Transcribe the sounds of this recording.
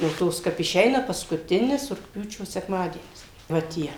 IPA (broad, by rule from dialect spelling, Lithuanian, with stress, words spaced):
jɛʊ ˈtoːs kɐp ɪˈʃʲɛɪnɐ pɐskʊˈtʲɪnʲɪs rʊkˈpʲjuːt͡ʃʲoː sʲɛkˈmɑːdʲiɛnʲɪs ʋɐ ˈtʲiɛ